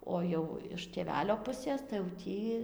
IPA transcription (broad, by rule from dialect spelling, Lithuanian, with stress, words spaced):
ˈoː jɛʊ ɪʃ tʲeːˈʋʲæːlʲoː ˈpʊsʲeːs tɐɪ jɛʊ ˈtʲiː